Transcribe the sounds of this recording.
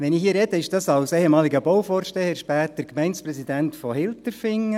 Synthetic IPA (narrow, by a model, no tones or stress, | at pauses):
ʋɛnɪxhɦiːɾɛd̥əɪʃd̥ɑsɑwsɛhɛmɑːliɡəbɔwfɔːrʃtɛəɾʃpæːtəɾkmɛɪnsprɛsidæntfɔhɪlt̪əɾfɪŋːə